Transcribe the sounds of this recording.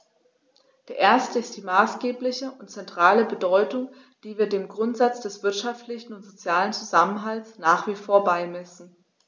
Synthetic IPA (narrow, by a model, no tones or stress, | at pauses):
d̥eːɐʔeːɐstəɪstd̥iːmaːsɡ̥eːplɪçəʔʊntt͡sɛntʁ̥aːləbədɔʏtʊŋ | d̥iːviːɐdeːmɡʁʊntz̥at͡sd̥ɛsv̥ɪɐtʃaftlɪçn̩ʊntz̥ot͡sjaːlənt͡suzamənɦalsnaːχv̥iːfoːɐbaɪmɛsn̩